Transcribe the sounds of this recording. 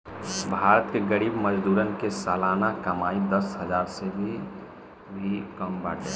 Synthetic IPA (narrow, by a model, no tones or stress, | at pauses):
bʱaːɾət̪keɡəɾiːbməd͡ʒd̪uːɾənkesaːlaːnakɐmaːid̪əsɦəd͡ʒaːɾsebʱi | bʱikəmbaːʈḛː